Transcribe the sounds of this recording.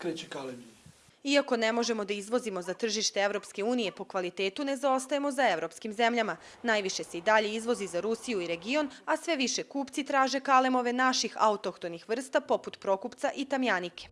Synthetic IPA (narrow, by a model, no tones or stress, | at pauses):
kɾeːt͡ɕekalemi | iako̞ne̞mo̞ʒe̞mo̞d̪aizʋo̞zimo̞zat̪r̩ʒiʃt̪e̞e̞ʋɾo̞pske̞uːnije̞po̞kʋalit̪eːt̪une̞zao̞st̪aje̞mo̞zae̞ʋɾo̞pskimze̞mʎama | najʋiʃe̞se̞id̪aʎe̞izʋo̞zizaɾusijuiɾe̞ɡio̞nasʋe̞ʋiʃe̞kuːpt̪sit̪ɾaːʒe̞kale̞moʋe̞naʃixa̰ut̪o̞kt̪o̞nixʋr̩st̪apo̞put̪pɾo̞kupt̪saʔit̪amjanike̞̥